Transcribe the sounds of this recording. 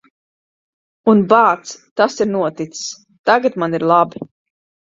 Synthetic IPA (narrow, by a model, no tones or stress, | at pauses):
unbaːt̪st̪asiɾnuɔt̪it̪ss | t̪aɡat̪maniɾlˠabi